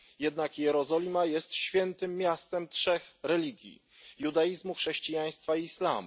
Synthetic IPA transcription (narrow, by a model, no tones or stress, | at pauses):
jɛd̪nakjɛɾɔzɔlʲimajɛst̪ɕfʲjɛnt̪ɘmːʲjast̪ɛmtʂɛxɾɛlʲiɡʲjḭ | jud̪ajizmuxʂɛɕt͡ɕijaj̃st̪faiːsla̰mṵ